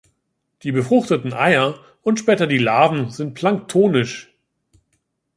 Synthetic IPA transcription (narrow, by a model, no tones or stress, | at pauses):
d̥iːbəfʁ̥ʊχtətn̩ʔa̰ɪɐ | ʔʊntʃpɛːtɐdiːlaːvn̩zɪnt̚pʰl̥aŋk̚tʰoːnɪʃ